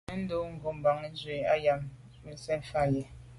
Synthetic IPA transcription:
n̩˦do˦ŋ̩˨ɡo˨m˨ba˨ŋ˦n˦zwe˨a˦ja˨m | me˨sɛ˦ɱ˨fa˦je˨

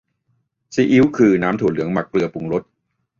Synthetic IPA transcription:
si˧˦˩ʔi˦˥wkʰɯː˧naː˦˥mt̪ʰuː˨˩lɯ˩˦əŋma˨˩kːlɯ˧ɐpu˧˩ŋɾo˦˥t̪̚

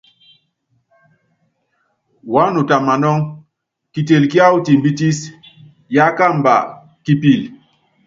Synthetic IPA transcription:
wa˦nu˨ta˨ma˨nɔ˦ŋ | ki˨te˨lki˦a˦u˦ti˨mbi˦ti˦s | ja˦ka˦˨m˨ba̰˨ | ki˨pi˨l

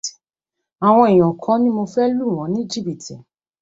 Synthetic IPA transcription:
a˨w̃ɔ̃˧i˨j̃ɔ̃˨kʰã˨˦nĩ˦mo˧fɛ˦lu˦˨w̃ɔ̃˨˦nĩ˦d͡ʒi˦˨bi˨ti˨

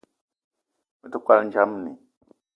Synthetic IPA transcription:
mi˨tu˦kwa˦ln˦d͡ʒa˦mnḭ˨

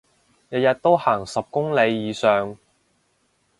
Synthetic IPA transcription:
jɐ˨t̚jɐ˨t̚t̪o˥whaː˨˩ŋsɐ˨p̚kʊ˥ŋle˨˧jːiː˨˧sœː˨ŋ

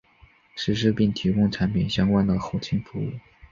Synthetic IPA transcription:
ʂɻ̩˧˥ʂ̬ɻ̩˥˧pi˥˩ŋt̪ʰi˨˧˥kʊ˥˩ŋʈ͡ʂʰa˧˥npʰi˨˩nɕjɑ˥ŋkwa˥nd̪ə˨xo˥˩ʊt͡ɕʰi˥nfu˧˥ṵ˥˩

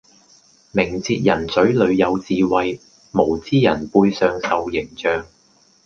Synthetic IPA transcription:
mɪ˨˩ŋt͡siː˧t̚jɐ˨˩nsɵ˨˥ɥlɵ˨˧ɥjɐ˨˧wt͡siː˨wɐ˨j | mo˨˩wt͡siː˥jɐ˨˩npuː˧jsœː˨ŋsɐ˨˧wjɪ˨˩ŋt͡ʃœː˨ŋ

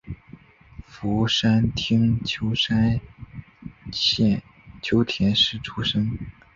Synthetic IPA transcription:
fu˧˥ʂa˥nt̪ʰi˥ŋt͡ɕʰjo˧˥ʊʂa˥n | ɕɛ˥˩n | t͡ɕʰjo˧˥ʊt̪ʰjɛ˧˥nʂɻ̩˥˩ʈ͡ʂʰu˥ʂɤ˥ŋ

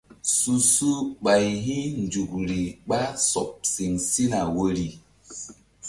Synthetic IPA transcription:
su˨su˦ɓa˨jɦĩ˦nd͡ʒu˨k̚ɾi˨ɓa˦sɔ̰˨p̚si˨ŋsi˦na˨wo˦ɾi˨

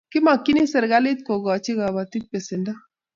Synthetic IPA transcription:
ki˦ma˨kːi˦ni˦sə˨ɾɡa˦le˦t̪̚ko˨ɡɔ˨t͡ʃi˦ɡa˨ba˨t̪i˦k̚pe˨se˨nda˦

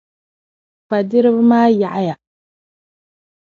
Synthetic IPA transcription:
fa˨di˦ɾbma˦ja˨ʕa˦ja˨

